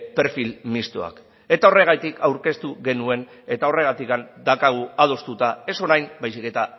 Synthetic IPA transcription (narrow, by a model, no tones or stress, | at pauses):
pe̞ɾfilmist̪o̞̰a̰k | e̞t̪ao̞re̞ɣ̞ajt̪ikʰawɾke̞st̪uɣe̞nue̞n | e̞t̪ao̞re̞ɣ̞at̪ikand̪akaɣ̞uað̞o̞st̪ut̪ae̞so̞ɾajmbajsike̞t̪a